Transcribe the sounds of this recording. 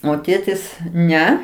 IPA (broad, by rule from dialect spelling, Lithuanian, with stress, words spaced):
oː ˈtʲeːtʲɪs ˈnʲɛ